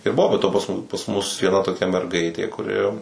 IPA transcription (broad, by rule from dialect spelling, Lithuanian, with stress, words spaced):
ɪr ˈbʊʋoː bʲɛ ˈtoː pɐs ˈmʊ pɐs ˈmʊs ʋʲiɛˈnɐ toːˈkʲɛ mʲɛrˈɡɐɪtʲeː kʊˈrʲɪ